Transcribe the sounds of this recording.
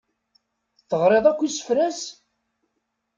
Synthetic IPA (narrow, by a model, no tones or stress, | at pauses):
θːəʁɾˤeðˤækʷːisə̥fɾæs